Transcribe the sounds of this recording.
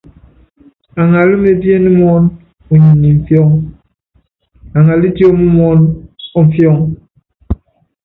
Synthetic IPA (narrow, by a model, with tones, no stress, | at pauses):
a˨ŋa˨lɨ˦me˨bjɛ˦ni˦m˦ɔ˦n | u˨ɲi˨ni˨m̩˨fjɔ˦˨ŋ | a˨ŋa˨li˦tjo˦mu˦mɔ˦nɔ˦ɱ̩˨fjɔ˦˨ŋ